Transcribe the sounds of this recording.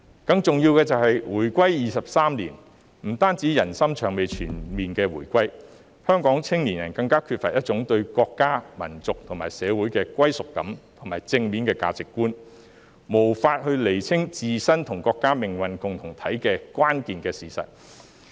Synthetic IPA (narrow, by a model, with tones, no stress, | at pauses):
kɐ˧ŋt͡sʊ˨ŋjiː˧wkɛː˧t͡sɐ˨whɐ˨jwuː˨˩jkʷɐ˥jjiː˨sɐ˨p̚saː˥mliː˨˩n | m̩˨˩t̪aː˥nt͡siː˨˥jɐ˨˩nsɐ˥mt͡ʃʰœː˨˩ŋme˨jt͡ʃʰyː˨˩nmiː˨nkɛː˧wuː˨˩jkʷɐ˥j | hœː˥ŋkɔː˨˥ŋt͡sʰɪ˥ŋliː˨˩njɐ̰˨˩nkɐ˧ŋkaː˥kʰyː˧t̚fɐ̰˨t̚jɐ˥t̚t͡sʊ˨˥ŋt̪ɵ˧ɥkɔː˧kːaː˥mɐ̰˨˩nt͡sʊ˨k̚t̪ʰʊ˨˩ŋmaː˨˩jsɛː˨˧wu˨˥jkɛː˧kʷwɐ˥jsʊ˨kːɐ˨˥mt̪ʰʊ˨˩ŋmaː˨˩jt͡sɪ˧ŋmiː˨˥nkɛː˧ka̰ː˧t͡sɪ˨kːuː˥n | mo˨˩wfaː˧t̚hɵ˧le˨˩jt͡sʰɪ˥ŋt͡siː˨sɐ˥nt̪ʰʊ˨˩ŋkɔː˧kːaː˥mɪ˨˩ŋwɐ˨nkʊ˨ŋt̪ʰʊ˨˩ŋt̪ʰɐ˨˥jkɛː˧kʷaː˥nkiː˨nkɛː˧siː˨˩sɐ̰˨t̚